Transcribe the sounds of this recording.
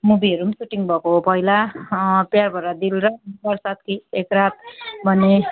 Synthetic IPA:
mubiʌɾumsuʈiŋbʱʌkopʌjlapjarbʱʌɾʌd̪ilɾʌbʌrsat̪̚kiekɾat̪̚bʱʌne

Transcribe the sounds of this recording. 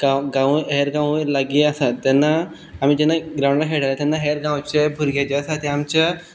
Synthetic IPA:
ɡaɡãʋɦeɾɡãwilaɡiasat̪ːanːaː | miːd͡ʑɛnːaɡɾaw̃ɳɖlaɦeɽalat̪anːaɦeɾɡãwt͡ɕebʱuɾɡẽd͡ʑesat̪eamt͡ɕa

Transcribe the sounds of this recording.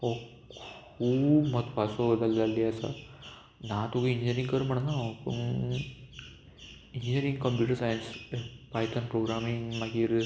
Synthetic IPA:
o | kʰ | uːbmət̪ʰpasobəd̪əlːalːiəsa̰ | nãt̪uɡiiɲd͡ʑəɾĩŋkəɾm̤əɳnaopuɳ | ind͡ʑəɾĩŋɡkəmpjuːʈəɾsajənspajt̪ənpɾoɡɾamiŋmakiɾ

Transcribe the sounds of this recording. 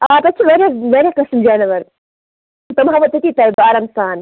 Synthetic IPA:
aːp̪ɐt͡ʃʰiʋɐɾjaʋɐɾʲjakɐsmd͡ʒaːnɐʋɐɾ | t̪ɐmɦɐʋɐt̪ɐt̪it̪ɐjbaːɾɐmsaːn

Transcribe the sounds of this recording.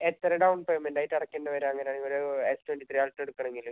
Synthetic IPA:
et̪ːɐɾɐɖɐwnpejmendaːjiʈːɐɽɐkːenɖɐʋɐɾeɐŋːɐneaːɳioɾeestweɳʈit̪rijaːlʈːeɽukːɐɳeŋɡilu

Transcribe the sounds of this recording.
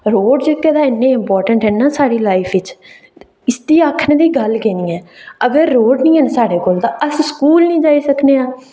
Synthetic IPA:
ɾoːɖd͡ʒekːɛːd̪aːɪnːẽːɪmpɔːɾʈəɳʈɦɛːnːaːsaːɽiːlaːɪpʰɪt͡ʃ | ɪsd̪iːaːkʰnẽːd̪iːɡəlkeːnĩːɛːəɡəɾːoːɖnĩːɛnsaːɽeːkoːld̪aːʔəsskuːlnĩːd͡ʒaːiːsəkneːãː

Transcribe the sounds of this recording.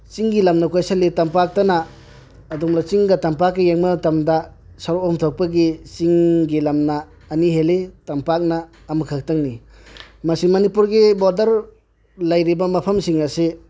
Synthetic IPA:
t͡ʃiŋɡilɐmnɐkojsaletampak̚tɐnaː | dumlat͡ʃiŋɡatampakːijeŋmɐtɐmdɐ | saɾoɔmtʰok̚pɐɡit͡ʃiŋɡilɐmnɐː | niɦeletampak̚naː | mɐkʰak̚taŋni | mɐsimɐnipuɾɡibɔɾdɐɾ | lajɾibɐmɐpʰɐmsiŋase

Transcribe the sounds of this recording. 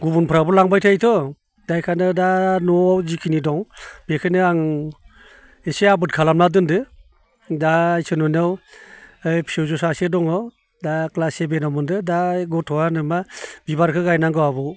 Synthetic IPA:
ɡubunpʰɾabɔlaŋbajtʰajtʰɔ | d̥ajkʰanɯdanɔawzikʰinidɔŋb̥ekʰɯnɯaŋ | eseabɯt̚kʰalamnadɯndɯ | dajsɯnunaw | ɯjpʰiowzɔsasedɔŋaw | daklasebenɔmɯndɯdaɡɔtʰɔanɯmabibaɾkʰɯɡajnaŋɡɯabɔ

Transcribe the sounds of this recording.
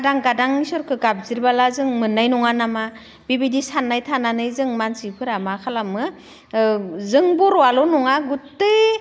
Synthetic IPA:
daŋɡadaŋisɔɾkʰɯɡab̚ziɾbalazɯŋmɯnːajnɔŋanama | b̥ibidisanːajtʰananɯjzɯŋmansipʰɯɾamakʰalamɯ | zɯŋbuɾwalɔnɔŋaɡutːɯ

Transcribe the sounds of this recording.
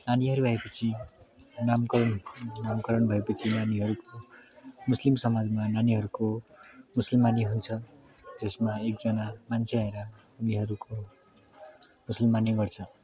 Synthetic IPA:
naniɦʌɾuaepʌt͡sʰi | namknamkʌɾʌnbʱʌepʌt͡sʰinaniɦʌɾukomuslimsʌmad͡zmananiɦʌɾukomusʌlmaniɦunt͡sʰʌ | d͡zʌsmaekd͡zʌnamant͡sʰeaeɾʌ | uniɦʌɾuko | musʌlmaniɡʌrt͡sʰʌ

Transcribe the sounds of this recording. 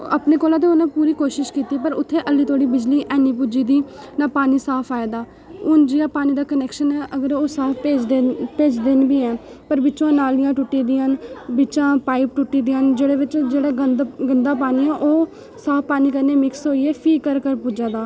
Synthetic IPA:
ə̰pneːkoːlaːt̪eːʊnẽːpuːɾiːkoːʃɪʃkiːt̪iːpəɾʊt̪ʰːeːʔəlːiːt̪ʰoːɽiːbɪd͡ʒliːʔɛːniːpʊd͡ʒiːd̪iː | naːpaːniːsaːpʰaːeːd̪aː | ʊnd͡ʒiːaːpaːniːd̪aːkənɛːkʃənɛːʔəɡəɾoːsaːpʰeːd͡ʒ̪epeːd͡ʒd̪ɪnbiːɛː | pəɾbɪt͡ʃãːnaːlɪjãːʈʊʈːiːd̪iːənbɪt͡ʃãːpaːɪp̚ʈʊʈːiːd̪iːand͡ʒeːɽeːʋɪt͡ʃd͡ʒeːɽaːɡənd̪ɡənd̪aːpaːniːɛːʔoː | saːppaːniːkəɾneːmɪksɦoːiːɛːpʰiːkəɾkəɾpud͡ʒãːd̪aː

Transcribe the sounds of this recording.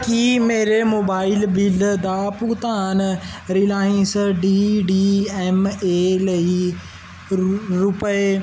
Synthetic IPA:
kiːmeːɾemoːbaːɪlbɪld̪aput̪aːnɾilaːɪ̃nsɖiːɖiːɛmeːlɐi | ɾʊpəe

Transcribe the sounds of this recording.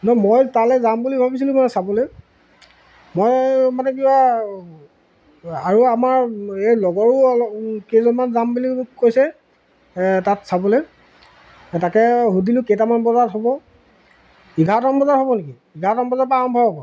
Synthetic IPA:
nɔmojtalɛzambulibʱabisilũkanɛsabɔlɛ | mojmanɛkiba | aɹuamaɹelɔɡɔɹuɔkezɔnmanzambulikojsɛ | tatsabɔlɛ | takɛɦudilʊ̃kejtamanbɔzatɦɔbɔ | iɡʱatɔmbɔzatɦɔbɔneki | iɡʱatɔmbɔzaɹpaːɹɔmbʱɔbɦɔbɔ

